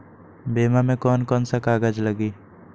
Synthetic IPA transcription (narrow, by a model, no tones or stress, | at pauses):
beːmamẽkɔːnkɔːnsakaːɡəd͡ʒləɡiː